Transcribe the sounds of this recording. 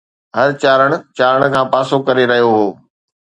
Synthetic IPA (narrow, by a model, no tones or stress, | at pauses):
ɦɐɾt͡ɕaːɾəɽ̃̆t͡ɕaːɾəɽ̃kʰãːpaːsokɐɾeɾɐɦijoɦoː